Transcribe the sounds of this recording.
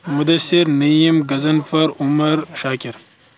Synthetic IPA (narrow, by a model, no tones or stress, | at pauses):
mud̪ɐsiɾnijimɡɐzɐnfɐɾumɐɾʃaːkʲiɾ